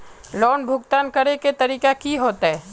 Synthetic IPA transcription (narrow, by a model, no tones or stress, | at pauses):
lɔːnbʱʊɡt̪aːnkɐɾeket̪ɐɾiːkakiɦoːt̪aɦɛː